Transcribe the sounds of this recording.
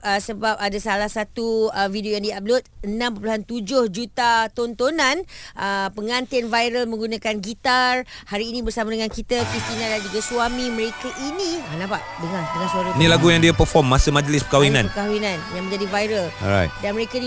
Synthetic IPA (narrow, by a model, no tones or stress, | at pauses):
əsəbap̚adasalahsat̪uəvidiojaŋdiab̚lʊt̪̚ənãmp̬əpluɦant̪ud͡ʒʊhd͡ʒut̪at̪ont̪onãnʔəpəŋãnt̪ɪnvajɾəlmə̃ŋɡunãkanɡit̪arhaɾiːnĩbərsamadəŋankit̪əkɾist̪inãdand͡ʒuɡaswamĩmə̃ɾekaʔinĩnapaʔdəŋaŋdəŋansuaɾanĩlaɡujaŋdiapəfɔmːasəmad͡ʒlɪspəkawinãnpəkawinãnjaŋmə̃ɲd͡ʒadivajɾəlɔɾa̰jtdanmə̃ɾekani